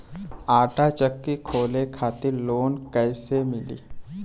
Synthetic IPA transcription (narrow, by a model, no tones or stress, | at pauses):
aːʈat͡ʃəkːikʰoːlekʰaːt̪ɪɾloːnkɛːsemɪlḭː